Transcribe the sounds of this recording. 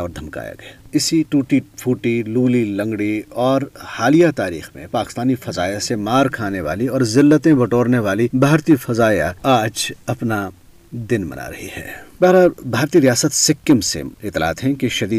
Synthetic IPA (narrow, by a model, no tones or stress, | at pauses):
ɔʋɾd̪ʱɐmka̰ːja̰ɡɐaɪsiʈuːʈifʰuːʈiluːlilɐ̃ŋɡɽiɔːɾhaːlijat̪aːɾḭːxmḛ̃paːkɪ̥st̪aːnifɐzaːjasemaːɾkʰaːneʋa̰ːliɔːɾzɪlːət̪ẽbɐʈoːɾneʋaːlibʱaːɾt̪ifɐzaːja̰aːd͡ʒɐpna | d̪ɪnmɐ̰nʔa̰ːɾɐɦḭhɛ̰ːbaːɦɾabʱaːɾt̪iɾijaːsət̪sɪkːəmsḛɪt̪ːla̰ːt̪ɦɛ̃kiʃɐd̪iː